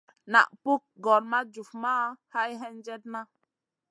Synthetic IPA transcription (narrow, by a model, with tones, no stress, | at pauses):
na̰˨ʔpu˦k̚ɡɔ˨lma˦d͡ʒu˨fma˦ha˦jɦɛ˦nd͡ʒɛ˦t̚na˦